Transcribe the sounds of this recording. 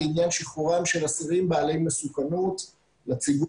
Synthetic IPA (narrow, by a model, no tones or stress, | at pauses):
injanʃiχuʁamʃe̞lasiʁimbaːle̞jmesukanut | lat͡siɡ